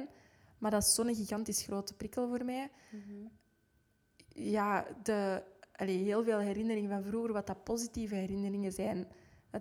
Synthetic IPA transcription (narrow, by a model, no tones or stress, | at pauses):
n | mardɑtɪsːoːnənɣiɣɑntisxroːtə̥pɾɪkəlˠvoːrmɛː | jaːdəʔɑleːɦeːlˠveːlˠɦɛɾɪnəɾɪŋəvɑnvruːɣərʋɑtɑpozitiːvəɦɛɾɪnəɾɪŋəzɛːn